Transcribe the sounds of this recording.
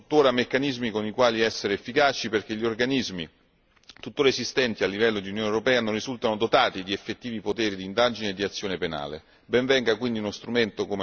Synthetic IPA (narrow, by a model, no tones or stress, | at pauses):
ut̪ːoːɾamekːanizmikonikwaːliɛsːeɾeːfːikaːt͡ʃiperk̟eʎːiorɡanizmi | t̪ut̪ːoːɾaesist̪ɛnt̪ialːivɛlːod̪iunjoːnewɾopɛːanonrːizult̪anod̪ot̪aːt̪id̪iefːet̪ːiːvipot̪eːɾid̪ind̪aːd͡ʒineːd̪ːiat̪sːjoːnepena̰ːlḛ | bɛɱvɛŋɡakwind̪iunost̪ɾument̪okome